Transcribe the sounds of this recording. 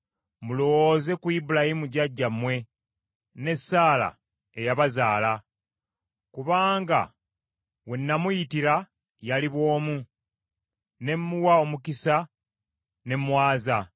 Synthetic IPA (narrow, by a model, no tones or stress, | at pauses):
mulo̞woze̞kuibulahimuɟaɟːamːwe̞ | ne̞sːaːla̰ | ejaβazaːla | kuβaːŋɡa̰ | we̞nːamujitiɾa | jaliβwo̞ːmu | ne̞mːuwao̞mukisa | ne̞mwaːza